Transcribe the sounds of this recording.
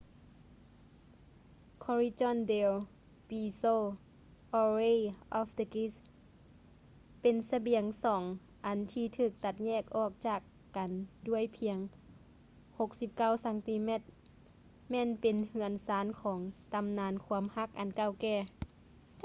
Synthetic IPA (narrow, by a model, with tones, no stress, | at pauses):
kʰɔ˧ɾi˧t͡ɕɔ˧˨nde˧w | biː˧soː˧ | ʔɔː˧ɾe˧˨ʔɔː˧fd̪ə˧ki˧˥s | pe˨nsa˧bi˨˩˦əŋsɔː˩˦ŋ | ʔa˨˩nt̪ʰiː˧t̪ʰɯː˧˩k̚t̪a˧˩t̪̚ɲɛː˧˩k̚ʔɔː˧˩k̚t͡ɕaː˧˩kːa˨ndu˧˩əjpʰi˧˦əŋ | ho˧k̚si˧˦p̚ka˧˥˩wsa˧˦ŋt̪i˧mɛ˧˩t̪̚ | mɛː˧˥˨npe˨nhɯ˧˩ənsaː˨˦nkʰɔː˩˨˦ŋt̪a˨˧mnaː˨˧˥nkʰu˧əmha˧˥k̚ʔa˨nka˧˨wkɛː˧˩